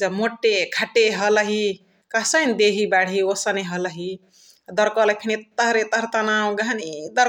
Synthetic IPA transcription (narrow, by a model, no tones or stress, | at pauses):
d͡ʒəmoʈːekʰaʈeɦələɦi | kasənd̪eɦibaɽ̤iosəneɦʌləɦi | d̪əɾkɔləkʰinet̪əɦɾet̪əɾt̪anawɡanid̪əɾ